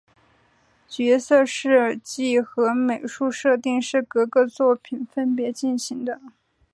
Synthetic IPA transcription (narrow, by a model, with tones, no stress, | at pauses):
t͡ɕɥɛ˧˥sɤ˥˧ʂɻ̩˥˧t͡ɕi˥˩xɤ˧˥me˨˩ɪʂu˥˧ʂɤ˥˧t̪i˥˧ŋʂɻ̩˥˩kɤ˧˥ɡɤ˥˧t͡swɔ˥˩pʰi˨˩nfə˥npjɛ˧˥t͡ɕi˥˩nɕi˧˥ŋd̪ə˧